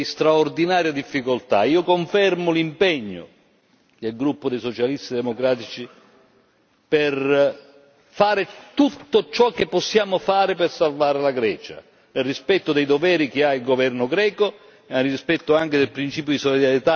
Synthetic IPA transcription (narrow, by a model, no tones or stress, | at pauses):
st̪ɾaord̪inaːɾjad̪ifːikolt̪a̰iːokoɱfɛrmʊlimpɛɲːo̰ | d̪elɡɾupːʊd̪ejsot͡ʃalist̪id̪emokɾaːt̪it͡ʃi | per | faːɾɪt̪ut̪ːot͡ʃɔk̟ːepːosːjaːmʊfaːɾɪpersalvaːɾelaɡɾɛːt͡ʃa̰ | nerispɛt̪ːod̪ejd̪ovɛːɾik̟eailɡovɛrnʊɡɾɛːko | arispɛt̪ːoaŋk̟ed̪elpɾint͡ʃiːp̬jod̪isolid̪aɾjet̪a